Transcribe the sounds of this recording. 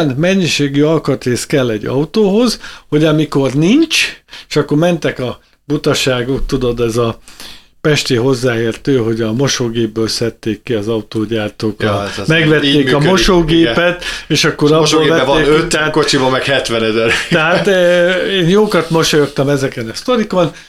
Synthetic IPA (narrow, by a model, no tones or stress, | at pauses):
nmɛɲːiʃeːɡyɒlkɒt̪eːskɛlːɛɟːɒ̰ut̪oːɦo̞zho̞ɟɒmiko̞rniɲt͡ʃeːʃɒkːo̞rmɛnt̪ɛkɒ | but̪ɒʃaːɡok̚t̪ud̪o̞d̪ɛzɒ | pɛʃt̪eːɦo̞zːaːeːrt̪øːɦo̞ɟɒmo̞ʃoːɡeːbbøːlsɛt̪ːeːkːiɒzɒut̪oːɟaːrt̪oːkrɒmɛɡʋɛt̪ːeːkɒmo̞ʃoːɡeːppɛt̪eːʃɒkːo̞ɾɒboːlvɛeːøt̪ːɛat̪kot͡ʃibɒmɛkhɛt̪ʋɛnɛzɛɾt̪ɛɦat̪ːeːnjoːkɒt̪mo̞ʃojokt̪ːɒmɛzɛkɛnɒst̪o̞ɾiko̞n